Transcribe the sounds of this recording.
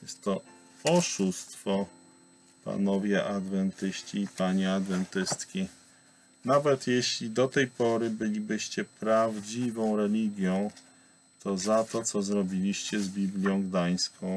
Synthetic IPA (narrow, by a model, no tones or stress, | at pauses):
jɛst̪ːɔ | ɔʂust̪fɔ | pa̰nɔvʲjɛʔad̪vɛnt̪ɘɕt͡ɕiːpaɲɛad̪vɛnt̪ɘst̪kʲi | navɛt̪jeɕlʲid̪ɔt̪ɛjpɔɾɘbɘlʲibɘɕt͡ɕɛpɾavd͡ʑivɔ̃w̃ɾɛlʲiɡʲjɔ̃w̃ | t̪ʰɔzat̪ɔt̪sɔzɾɔbʲilʲiɕt͡ɕɛzbʲiblʲjɔ̃w̃ɡd̪aj̃skɔ̃w̃